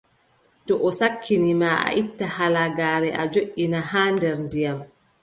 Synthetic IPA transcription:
tɔʔɔsakʰːinimaːʔa̰ʔitːahalaɡaːɾɛʔad͡ʒoʔːinahaːndɛɾndijam

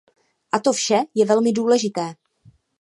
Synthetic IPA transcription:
ʔat̪o̞fʃɛjɛvɛlmɪduːlɛʒɪt̪ɛː

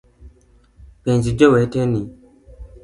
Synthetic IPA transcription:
pɛnd͡ʒid͡ʒɔwɛtɛni

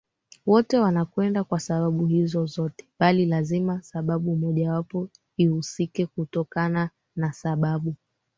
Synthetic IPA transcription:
wɔtɛwanakwɛndakwasaɓaɓuhizɔzɔtɛ̥ɓalilazimasaɓaɓumɔʄawapɔ | ihusikɛkutɔkana | nasaɓaɓu

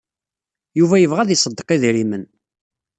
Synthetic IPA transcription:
juvæjəvʁæðisˤəd̪ːəqiðɾimən

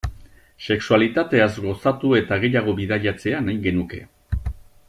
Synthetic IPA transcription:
se̞ksualit̪at̪e̞azɡo̞sat̪ue̞t̪aɣe̞jaɣ̞o̞βiðaʎat͡se̞anajɡe̞nuke̞̰

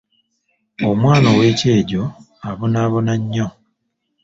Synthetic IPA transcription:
omwaːnowe̞ːce̞ːɟo̞ | aβonaːβonaɲːo

